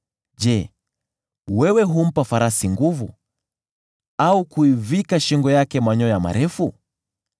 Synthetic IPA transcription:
d͡ʒɛ | wɛwɛɦum̩pafaɾasiŋɡuvu | aukuivikaʃiŋɡɔjakɛmaɲɔjama̰ɾɛfu

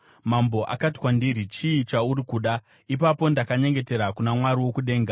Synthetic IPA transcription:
mambo̞ʔa̰kati̥kwandiɾit͡ʃiːt͡ʃauɾikuɗa | ipapo̞ndakaɲe̞ŋɡe̞te̞ɾakunamwaɾiwo̞kuɗe̞ːŋɡa

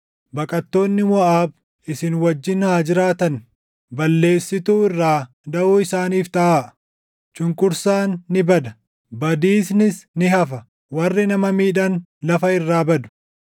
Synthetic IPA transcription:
bɐkʼɐt̪ːo̞ːnːɪmɔʔaːb | ɪsɪnwɐd͡ʒːɪnhaːd͡ʒɪɾaːt̪ɐn | bɐlːe̞ːsːɪt̪uːɪrːaː | d̪ɐʔuːɪsaːniːft̪ɐʔaː | t͡ʃʼʊŋkʼʊɾsaːnːɪbɐd̪ɐ | bɐd̪iːsnɪsnɪɦɐfɐ | wɐrːɪnɐmɐmiːᶑɐnlɐfɐɪrːaːbɐd̪ʊ̥

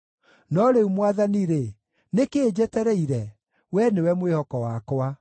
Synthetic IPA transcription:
nɔɾeumwaðaniɾe | nekeːd͡ʑɛtɛɾɛiɾɛ | wɛnewɛmwehɔkɔwaːkwa

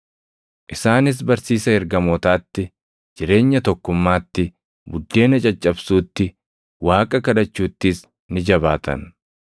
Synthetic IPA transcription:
ʔɪsaːnɪs̬bɐɾsiːsɐɛɾɡɐmɔːt̪aːt̪ːɪ | d͡ʒɪɾe̞ːɲːɐt̪ɔkːʊmːaːt̪ːɪ | bʊd̪ːe̞ːnɐt͡ʃʼɐt͡ʃʼːɐbsuːt̪ːɪ | waːkʼɐkɐdɐt͡ʃːuːt̪ːɪs | nɪd͡ʒɐbaːt̪ɐ̰n

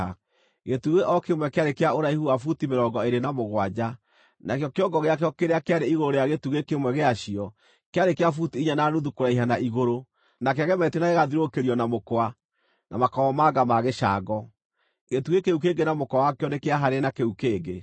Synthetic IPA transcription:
a | ɣetuɣeʔɔkemwɛkeaɾekeaoɾaihuafutimeɾɔːɡɔeɾenamoɣwad͡ʑa | nakejɔkeɔɡɔɣeakjɔkeɾeakeaɾeiɣoɾoɾejaɣetuɣekemwɛɣeaʃiɔ | keaɾekeafutiiɲananuðukoɾaiɦanaʔiɣoɾo | nak̬eaɣɛmɛtenaɣeɣaðiɾokeɾjɔnamokwa | na̰makɔɔmaɡamaɣeʃa̰ɡɔ | ɣetuɣekeuk̬eɡenamokwawakeɔnekeaɦaɾenakeukeːɡe

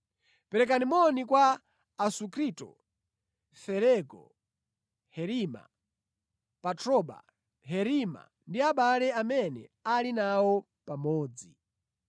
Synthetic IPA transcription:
pɛɾɛk̬animɔnikwaː | sukʰɾiːtɔ̰ | fɛɾɛɡɔ̰ | hɛɾima̰ | patʰɾɔɓa̰ | ɦɛɾima̰ | ndiaɓalɛamɛnɛ̰alinawɔ | pamɔːd͡zi

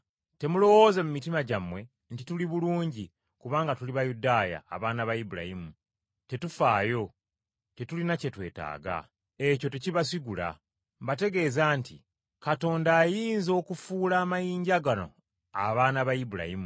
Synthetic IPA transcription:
te̞mulo̞wo̞ze̞mumitimaɟamwe̞ | ntituliβuluːɲɟi | kuβaːŋɡatuliβajudaja̰ːβaːnaβajibuɾa̰himu | te̞tufaːjo̞ | te̞tulinace̞twe̞̰ːta̰ːɡa̰ | e̞co̞te̞ciβas̬iɡula̰ | mbate̞ɡe̞ːzaːntʰi | kato̞ːndaːjiːnzo̞ːkufuːlaːmajiːɲɟaɡano̞̰ | a̰βaːnaβajibula̰himu

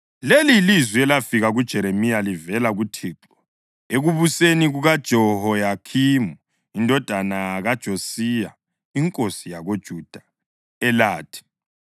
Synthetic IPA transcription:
lelilizwiɛlafiɣaɣud̥ʒ̥ʱɛɾemijalivɛlaɣutʰiːǁɔ | eɣuβuseniɣuɣad̥ʒ̥ʱɔhɔjakʰimu | indʱɔd̥ʱanaɣad̥ʒ̥ʱosija | iŋkʼosijaɣod̥ʒ̥ʱud̥ʱa | ɛlaːtʰi̥

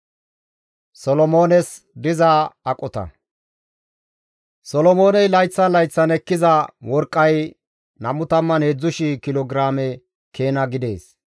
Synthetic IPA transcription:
sɔlɔmo̞ːnɛs | d̪ɪzaɐkʼɔt̪ɐ̰ | sɔlɔmo̞ːnɛjlɐjt͡sːɐnlɐjt͡sːɐnɛkːɪzɐwɔɾkʼːɐj | nɐmʊt̪ɐmːɐnheːd͡zːʊʃikɪlɔɡɾaːmɛ | kʰe̞ːnɐɡɪd̪e̞ːs

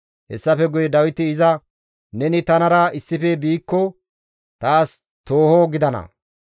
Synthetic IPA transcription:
hɛsːɐfɛɡʊjɛd̪ɐwɪt̪ɪːzɐ | nɛnɪt̪ɐnɐɾɐɪsːɪfɛbiːkːɔ | t̪aːs | t̪o̞ːhoɡɪd̪ɐnɐ̰

